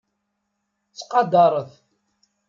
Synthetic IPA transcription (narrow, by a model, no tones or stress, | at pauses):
t͡sːqɑd̪ɑɾˤəθ